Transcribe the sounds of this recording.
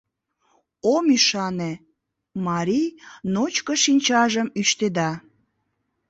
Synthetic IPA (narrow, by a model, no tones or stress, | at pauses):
omyʃɑne | mɑɾijnot͡ɕkəʃinʲt͡ɕɑʒəmyʃt̪ed̪ɑ